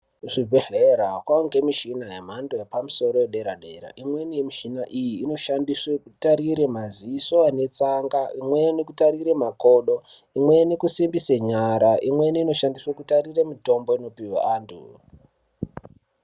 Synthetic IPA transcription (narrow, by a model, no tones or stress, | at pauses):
ʐibʱeɮeɾakwaoŋɡemiʃinajem̤andojepamuso̞ɾo̞jeɗe̞ɾaɗe̞ɾa̰ʔimwe̞nimiʃinaʔijiːno̞ʃandiswekutaɾiɾemaziiso̞ane̞t͡saŋɡaʔimwe̞nekutaɾiɾe̞mako̞ːɗo̞ | imwe̞nekusimbiseɲaɾaʔimwe̞niino̞ʃandiswekutariremito̞mbo̞ino̞piwa̰ʔaːntʰṵ